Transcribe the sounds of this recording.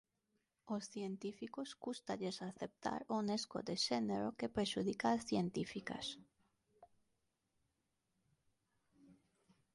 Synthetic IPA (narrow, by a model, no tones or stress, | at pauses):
osθjent̪ifikoskust̪aʎesaθep̚t̪a̰ɾonesko̰d̪eʃeneɾokepɾeʃuðikaːsθjent̪ifika̰s